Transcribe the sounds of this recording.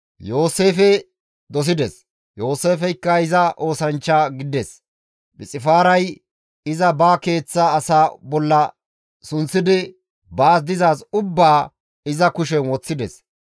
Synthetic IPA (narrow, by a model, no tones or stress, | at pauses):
jo̞ːse̞ːfɛ | d̪ɔs̬ɪd̪ɛs | jo̞ːse̞ːfɛjkːɐɪzɐʔo̞ːsɐnt͡ʃːaɡɪd̪ɛs | bɪt͡sʼɪfaːɾɐj | ɪzɐbaːke̞ːt͡sːaːsaːbɔlːɐ | sʊnsɪd̪ɪ | baːs̬d̪ɪzaːsʊbːaː | ɪzɐkʊʃɛwɔt͡sːɪd̪ɛ̰s